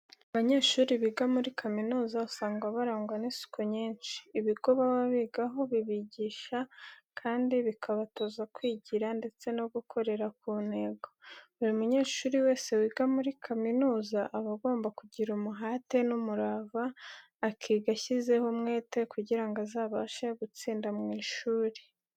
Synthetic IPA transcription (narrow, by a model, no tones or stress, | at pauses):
aβaɲe̞ːʃuːɾiβiːɡamuɾikʰaminuːzausaːŋɡaβaɾaːŋɡwanisu̥kʰoɲiːnt͡ʃi̥ːβiɡ̥o̞βawaβiɡaɦo̞βiβiɟiːʃakʰaːndiβikʰaβatozakwiːɟiɾande̞t͡se̞noɡukʰo̞ɾe̞ɾakuːne̞ːɡo̞uɾimuɲe̞ːʃuːɾiwe̞ːse̞wiːɡamuɾikʰaminuːzaʔaβaɡo̞ːmbakuɟiɾumuɦaːte̞numuɾaːvaː | kʰiːɡaçize̞homŋe̞ːte̞kuɟiɾaŋɡazaːβaʃaɡut͡siːndamŋiːʃuːɾe